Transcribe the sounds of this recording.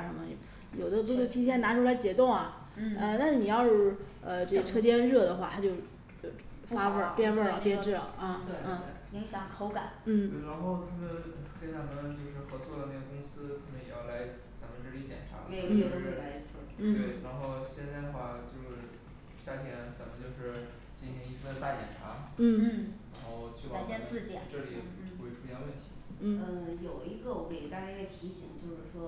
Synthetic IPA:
ʂə˧˥nmə˧j | jo˨˩ʊd̪ə˦p̬u˥twt̪ʰi˥t͡ɕʰjɛ˥˩nna˧˥ʈ͡ʂʰu˥la˧˥ɪt͡ɕjɛ˧˥t̪ʊ˥˩ŋɐ˩ | ə˥˧t̪a˥˧nʂ̩˥˩ni˨˩jɑ˥˧ʊʂ | ə˧ʈ͡ʂe˥˩ə˧ʈ͡ʂʰɤ˥t͡ɕjɛ˥nɻɤ˥˩d̪ə˩xwa̰˥˩t̪ʰa˥t͡ɕjo˥˧ʊ˥˧˩ | fa˥fə˥˩˥pjɛ˥˧nfə˥˧˥pjɛ˥nʈ͡ʂɻ̩̰˥˩˨ə˥˩˥ji˧˥ŋɕjɑ˨˧˥ŋkʰo˧˥ʊka˨˩˦nn̩˥˩e˥˩ɪɻa˧˥nxo˥˩ʊt̪ʰa˥˩mə˧nkə˧˥t͡sa˧˩mə˧nt͡ɕjo˥˧ʊʂɻ̩˥˩xɤ˧˥t͡swɔ˥˩d̪ə˩na˥˩ɡə˩kʊ˥ŋsɹ̩˥kʰə˧˩nə˧˩jɛ˨˩jɑ̰˥˩ʊla˧˥ɪ | t͡sa˧˥mə˧nʈ͡ʂ̩˥˩li˧˥t͡ɕjɛ̰˨˩nʈ͡ʂʰa̰˧˥e˥˧o˧˩ə˧˥˩la˧˥ɪi˧˥t͡sʰɹ̩˥˩˥we˥˩ɪɻa˧˥nxo˥˧ʊɕjɛ˥˧nt͡sa˥˩ɪd̪ə˩xwa˥˧t͡ɕjo˥˧ʊʂɻ̩˥˩ | ɕja˥˩t̪ʰjɛ˥nt͡sa˧˥mə˧nt͡ɕjo˥˧ʊʂɻ̩˥˩ | t͡ɕi˥˩nɕi˧˥ŋi˧˥sɹ̩˥ə˧t̪a˥˩t͡ɕjɛ̰˨˩nʈ͡ʂʰa̰˧˥n̩˥˩˥ɻa˧˥nxo˥˩ʊt͡ɕʰy˥˩pa˨˩ɕjɛ˥˧nt͡sɹ̩˥˩t͡ɕʈ͡ʂɤ˥˩li˨˩xwe˧˥˩ɪʈ͡ʂʰu˧˥jɛ˥˧nwə˥˩nt̪ʰḭ˧˥˩ | ə˥˧˩jo˨˩ʊi˧˥ɡə˧˩we˥˩ɪ˧t̪a˥˧˥a˥˩t̪ʰi˧˥ɕi˧˥˦ŋt͡ɕjo˥˧ʊʂɻ̩˥˩ʂwɔ˥

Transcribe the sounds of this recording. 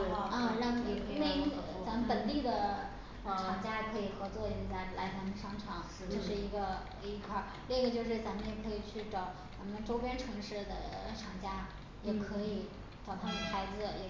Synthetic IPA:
ɻɑ˥˧ŋ˧˥˩me˥˧˥ | t͡sa˧˥mə˧npə˨˩nt̪i˥˩d̪ə˩ | ʈ͡ʂʰɑ˨˩ŋt͡ɕja˥˧˩kʰɤ˧˥i˨˩xɤ˧˥t͡swɔ˥˩i˧˥˩t͡sa˧˥˩ɪla̰˧˥ɪt͡sʰa˧˥mə˧nʂʰɑ˧˥ŋʈ͡ʂʰɑ˨˩˦ŋ˧t͡ɕo˥˧ʂɻ̩˥˩i˧˥ɡə˧ | i˧˥kʰwaɐ˥˩ | li˥˩˥ɡə˩t͡ɕjo˥˧ʊʂɻ̩˥˩t͡sa˧˥mə˧njɛ˨˩kʰɤ˧˥i˨˩t͡ɕʰy˥˩ʈ͡ʂɑ˨˩˦ʊt͡sa˧˥mə˧ʈ͡ʂo˥ʊpjɛ˥nʈ͡ʂʰɤ˧˥ŋʂɻ̩˥˩d̪ə̰˩ʈ͡ʂʰɑ˨˩ŋt͡ɕja˥ | jɛ˨˩kʰɤ˧˥i˨˧˩ | ʈ͡ʂɑ˨˩ʊt̪ʰa˥mə˧xa˧˥ɪd͡zɹ̩˧jɛ˨˩

